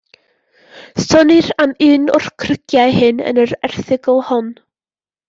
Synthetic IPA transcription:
sɔnɪramɨːnʊr̥kʰrəɡ̥jajhɨnə̰nəɾɛ̰rθɪɡəlˠhɔn

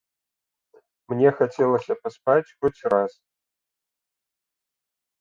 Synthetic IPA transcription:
mnʲɛxat͡sʲɛlˠɐsʲɐpaspat͡sʲxɔt͡sʲras

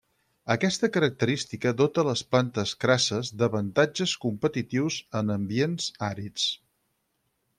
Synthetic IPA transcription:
əkɛst̪əkəɾək̚t̪əɾist̪ikəðot̪ələsplant̪əskɾasəzðəβənt̪ad͡ʒəskumpət̪it̪iwzənəmbienz̥aɾit͡s

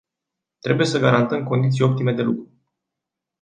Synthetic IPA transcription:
t̪ɾe̞buje̞səɡaɾant̪əmko̞nd̪it̪sijo̞p̚t̪ime̞d̪e̞lukɾu

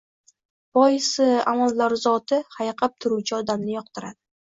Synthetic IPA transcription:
b̥ɒjɪsɪamalˠːaɾzɒt̪ɪhajqʰɑp̚t̪ʰʊɾut͡ʃʰaɒd̪amnɪjɒq̚t̪ʰɪɾad̪̥ɪ

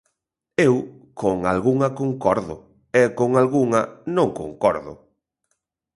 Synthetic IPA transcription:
ew | koŋa̰lɣuŋɐkoŋkɔɾðʊ | ɛkoŋalɣuŋɐnõŋko̰ŋkɔɾðʊ̰

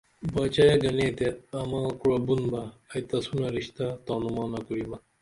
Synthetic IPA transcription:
baːt͡ɕɐjɐɡɐneːt̪eɐmãːkuɽɐbunbɐːjt̪ɐsunɐɾiɕt̪at̪oːnumɑːnɐkuɾimɐ

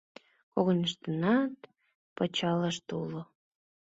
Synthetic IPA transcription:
koɣonʲəʃt̪ənɑt̪ | pət͡ɕɑləʃt̪ulo

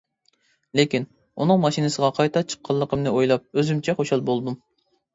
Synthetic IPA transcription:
lekʲin | unɨŋmɑʃinɨsəʁɑqʰɑjt̪ʰɑt͡ʃʰə̥qʰːɑlˠːəqʰəmnɨojlˠɑp̚øzymt͡ʃʰɛχoʃɑlˠbolˠd̪um

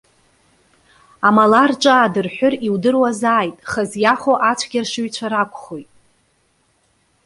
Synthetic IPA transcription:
amalarʈ͡ʂʷʼaːdɨrħʷᶣʊriwdɨrwazaːjtʼχazjaχoʔat͡ɕʷʰɡʲarʂɨɥt͡ɕʷʰaɾakʷʼχojtʼ

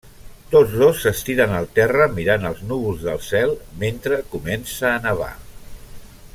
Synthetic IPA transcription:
t̪od͡zðosːəst̪iɾənəlˠt̪ɛrəmiɾanəlˠznuβulˠzðəlˠsɛlˠment̪ɾəkumɛnsəːnəβ̞a̰

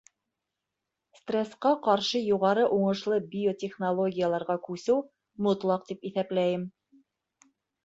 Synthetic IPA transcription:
st̪rʲesqɑqɑɾʃɤjuʁɑɾɤʔuɴɤ̆ʃlˠɤbʲiotʲeχnolˠo̞ɡʲijalˠɑɾʁɑkʉsɘw | mŏt̪lˠɑqt̪ipiθæplæjɘm

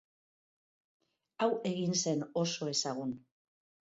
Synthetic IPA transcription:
awe̞ɣinse̞no̞so̞e̞saɣ̞un

